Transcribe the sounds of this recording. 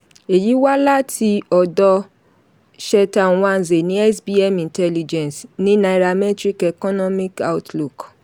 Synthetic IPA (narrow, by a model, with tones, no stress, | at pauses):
e˨ji˨˦wa˦la˦tʰi˧ɔ˨dɔ˧ | ʃɛ˧tã˨˦a˧n˨ze˨nĩ˨˦ɛ˦sbi˦ɛ˦mĩ˨ntɛ˦li˨d͡ʒɛ̃˨snĩ˦nã˧i˨ɾa˧mɛ˦tɾi˦kɛ˨kɔ˦nɔ˦mi˦ka̰˦u˦tlu˨k